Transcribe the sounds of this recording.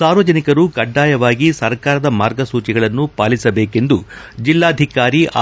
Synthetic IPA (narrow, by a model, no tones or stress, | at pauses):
saːɾʋɐd͡ʒɐnikɐɾukɐɖːaːjɐʋaːɡisɐɾkaːɾɐd̪ɐmaːɾɡɐsuːt͡ʃiɡɐɭɐnːupaːlisɐbeːke̞nd̪u | d͡ʒilːaːd̪ʱikaːɾia